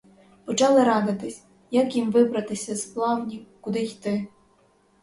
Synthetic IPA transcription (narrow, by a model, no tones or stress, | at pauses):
pɔt͡ʃɑlˠɪɾɑd̪ɪt̪ɪsʲ | jɐkjimʋɪbɾɐt̪ɪsʲɐsplˠɑwnʲikʊd̪ɪjt̪ɪ